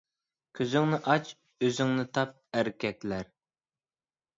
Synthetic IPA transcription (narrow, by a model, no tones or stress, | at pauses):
kʲʰøzyŋnɪʔɑt͡ʃ | øzyŋnɪt̪ʰɑp̚æɾɪkʲɛkʲlæɾ